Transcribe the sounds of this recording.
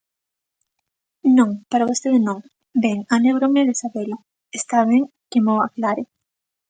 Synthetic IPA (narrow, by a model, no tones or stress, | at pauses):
nõŋpaɾaβost̪eðenõŋ | beŋaneβɾoŋeðesaβela | est̪aβeŋ | kemoaklaɾe